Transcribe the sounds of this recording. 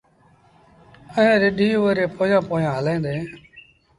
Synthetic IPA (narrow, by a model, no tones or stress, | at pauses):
əɦẽːɾɪɗiːʋəɾeːpoːjãːpoːjãːɦəlẽːnd̪e